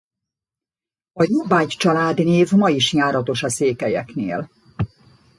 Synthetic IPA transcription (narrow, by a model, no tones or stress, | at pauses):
ɒjobaːct͡ʃɒlaːd̪neːvmɒjiʃɲaːɾɒt̪o̞ʃɒseːkɛjɛkneːl